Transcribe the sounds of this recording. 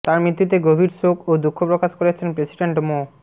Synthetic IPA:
t̪aɾmɾit̪ːut̪̬eɡobʱiɾsokod̪ukʰːopɾokaʃkoɾet͡ɕʰenpɾesiɖeɳʈmo

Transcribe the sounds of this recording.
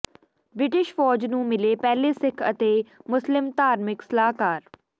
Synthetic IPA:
bɾɪʈɪʃfɔːd͡ʒnũːmɪleːpɛːleːsɪkʰə̰t̪eːmʊslɪmt̪aːɾmɪksəlaːkaːɾ

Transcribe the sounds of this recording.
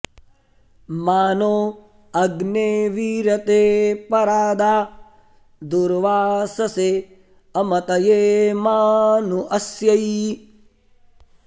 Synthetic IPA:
maːnoː | ɐɡneːʋiːɾɐt̪eːpɐɾaːd̪aː | d̪uɾʋaːsɐse | ɐmɐt̪ɐjeːmaːnuʔɐsjɐj

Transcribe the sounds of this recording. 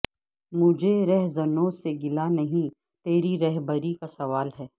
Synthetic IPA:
mʊd͡ʒʱeɾɛɦzɐnõseɡɪlanɐɦĩ | t̪eːɾiɾɛɦbəɾikasɐʋaːlɦɛː

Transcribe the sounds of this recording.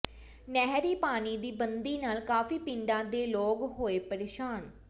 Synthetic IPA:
nɛɦɾiːpaːniːd̪iːbənd̪iːnaːlkaːfiːpɪ̃ɳɖãːd̪eːloːɡɦoːeːpəɾeːʃaːn

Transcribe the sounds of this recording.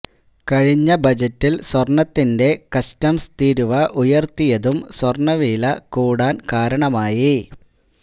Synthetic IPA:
kɐɻiɲːɐbɐd͡ʑɐtːilswɐrɳɐt̪ːinde̞kɐstɐmst̪iːɾuʋɐʔujɐrt̪ːijɐðumswɐrɳɐʋiːlɐkuːɽaːnkaːɾɐɳɐmaːji

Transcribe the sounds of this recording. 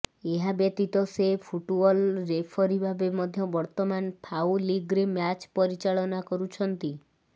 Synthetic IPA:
eɦabjet̪it̪ɔsepʰuʈbɔlɾepʰɔɾibʱabemɔd̪ʱjɔbɔɾt̪ɔmanpʰawliɡɾemjat͡ʃpɔɾit͡ʃaɭɔnakɔɾut͡ʃʰɔnt̪i

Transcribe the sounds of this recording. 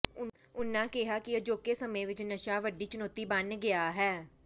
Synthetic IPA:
ʊnãːkɪɦaːkɪəd͡ʒoːkeːsəmẽːʋɪt͡ʃnəʃaːʋəɖːiːt͡ʃʊnɔːt̪iːbənɡɪaːɦɛː

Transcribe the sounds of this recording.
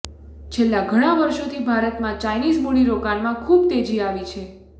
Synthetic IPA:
t͡ʃʰelːaɡʱəɽ̃ãʋəɾʃot̪ʰibʱaɾət̪mãt͡ʃajnizmuɽiɾokanmãkʰubt̪ed͡ʒiaʋit͡ʃʰe

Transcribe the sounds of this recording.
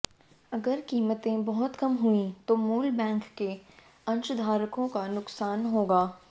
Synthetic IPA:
ɐɡəɾkiːmət̪ẽbɔɦʊt̪kɐmɦuĩt̪omuːlbɛ̃ːŋkːe | ɐ̃nʃʊd̪ʱaːɾkõkanʊksaːnɦoːɡaː

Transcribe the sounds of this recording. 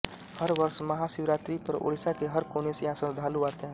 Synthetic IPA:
hɐɾʋɐɾsmɐɦasɪʋɾaːt̪ɾipɐɾo̰ːɽɪsakeɦɐɾkoːnesejɦãsə̃ɾd̪ʱaːluaːt̪eɦɛ̃

